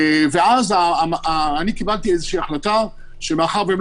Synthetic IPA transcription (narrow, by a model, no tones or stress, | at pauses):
veazaaːnikibalt̪iezeʃiːaχlata | ʃemeaχaʁvem